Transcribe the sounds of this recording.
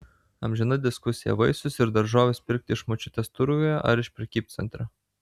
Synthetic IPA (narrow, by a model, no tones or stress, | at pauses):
ɐmʲʒʲɛnɐd̪ʲɪskʊsʲɪjɛ̰ʋɐɪsʊsɪɾd̪ɐɾʒoːʋʲespʲɪɾʲk̚t̪ʲɪɪʃmot͡ʃʲʊt̪ʲɛst̪ʊɾʊʋʲojɛʔɐɾɪʃpʲɾʲɛkʲiːp̪̚ʲsʲɛ̰nʲt̪ʲɾʲɐ